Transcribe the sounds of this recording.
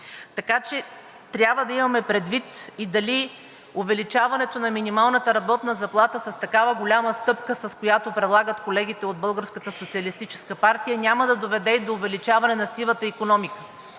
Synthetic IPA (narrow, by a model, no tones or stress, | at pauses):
t̪ɐkat͡ʃɛ | t̪ɾʲjabvəd̪ɐimɐmɛpɾɛd̪vit̪id̪ɐli | ʊvɛlit͡ʃavɐnɛt̪onɐminimalˠnət̪əɾɐbɔt̪nəzɐplˠat̪əsɐst̪ɐkavəɡolʲaməst̪ɤpkəsɐskojat̪opɾɛd̪lˠaɡət̪kolɛɡʲit̪ɛod̪̚bɤlˠɡəɾskət̪əsot̪siəlist̪it͡ʃɛ̥skəpaɾt̪ijənʲaməd̪ɐd̪ovɛd̪ɛid̪oːvɛlit͡ʃavɐnɛnɐsilˠət̪əikonɔmikə